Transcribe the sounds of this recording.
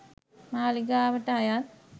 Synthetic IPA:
maːliɡaːʋɐʈːaːjaː

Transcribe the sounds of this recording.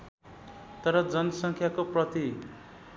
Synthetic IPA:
t̪ʌɾʌd͡zʌnʌsʌŋkʰjakoprʌt̪i

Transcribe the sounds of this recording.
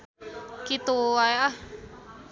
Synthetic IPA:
kit̪uaeah

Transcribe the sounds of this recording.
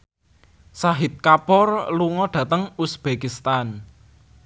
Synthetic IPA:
saɦɪt̪̚kapɔrluŋɔɖ̥ä̤t̪əŋusb̥ekist̪an

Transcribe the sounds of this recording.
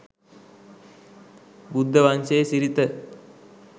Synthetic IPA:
bud̪ʱːəʋansejsiɾit̪ə

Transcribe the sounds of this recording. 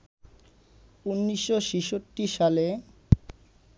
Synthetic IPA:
unːiʃːoʃiʃotːiʃale

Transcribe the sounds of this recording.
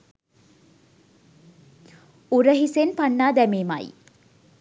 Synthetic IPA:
uɾəɦisenpanːaːd̪æmeːma̰j

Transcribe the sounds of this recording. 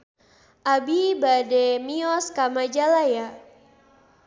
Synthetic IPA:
ʔabibadɛmiɔskamad͡ʒalaja

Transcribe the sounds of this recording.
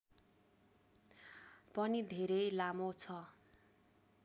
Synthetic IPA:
pʌnid̪ʱeɾʌjlamot͡sʰʌ

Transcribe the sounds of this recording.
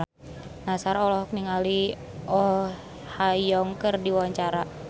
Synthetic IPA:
nasaɾɔlɔhk̚niŋali | ʔɔ | hajɔŋkərdiwawaɲt͡ʃaɾa

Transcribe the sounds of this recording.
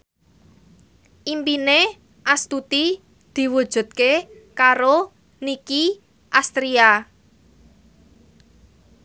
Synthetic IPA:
ʔimpine | ʔast̪ut̪i | d̪̥i̤wu̥ʒ̥ṳt̪̚kekaɾo | niki | ʔast̪ɾia

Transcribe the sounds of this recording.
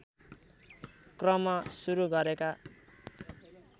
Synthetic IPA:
krʌmʌsuɾuɡʌɾeka

